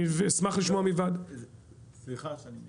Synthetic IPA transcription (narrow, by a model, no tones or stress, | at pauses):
vesmaχliʃmoamivad̪ | slia